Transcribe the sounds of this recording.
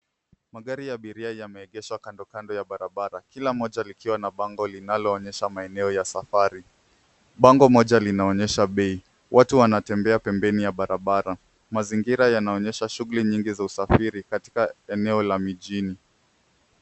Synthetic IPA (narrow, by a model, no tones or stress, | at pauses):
maɠaɾijaɓiɾiajamɛɛɠɛʃwakandɔkandɔjaɓaɾaɓaɾakilamɔʄalikʰiwanaɓaŋɡɔlinalɔːɲɛʃamaɛnɛɔjasafaɾi | ɓaŋɡɔmɔʄalinaɔɲɛʃaɓɛi | wʔatuwanatɛmbɛapɛmbɛnijaɓaɾaɓaɾa | maziŋɡiɾajanaɔɲɛʃaʃuɣuliɲiŋɡizausafiɾikati̥kaɛnɛɔlamiʄini